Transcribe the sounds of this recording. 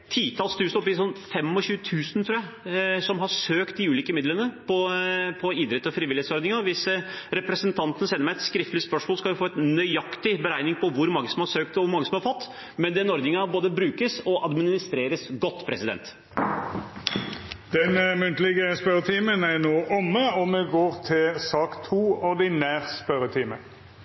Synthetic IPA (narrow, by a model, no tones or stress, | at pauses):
t̪ʰiːt̪ʰɑːlst̪ʰʉːsnɔpːɪsɔnːfɛmɔɕʉːət̪ʰʉːsən̩t̪ʰɾuːæɪ | sɔmɦɑsøːkt̪̚d̪ɪʉːliːkəmɪd̪lənəpʰɔpʰɔiːd̪ɾɛt̪ːɔfɾiːʋɪlɪet̪sɔɾd̪nɪŋɑʋɪsɾɛpɾɛsənt̪ʰɑnt̪ənəsɛnːəmæɪɛt̪skɾɪft̪əlɪspœʂmoːlskɑljɪfoːɛt̪nœʏɑkt̪ɪbəɾæɪnɪŋpʰɔʋʊɾmɑŋːəsɔmhɑɾsøːk̚t̪ɔʋʊɾmɑŋːəsɔmhɑɾfɔt̪ː | mɛnd̪ɛnɔɾd̪nɪŋɑboːd̪əbɾʉːkəsɔʔɑd̪mɪnɪnɪst̪ɾeːɾəsɡɔt̪ːpʰɾɛsɪd̪ɛ̰nt̪ | d̪̥ɛnmʉnt̪əlɪɡəspœɾət̪ʰiːmənæɾnoːʔɔmːəɔmɛɡoːɾt̪ʰɪlsɑːkt̪ʰuːɔɾd̪ɪnæːʁspœɾət̪ʰiːmə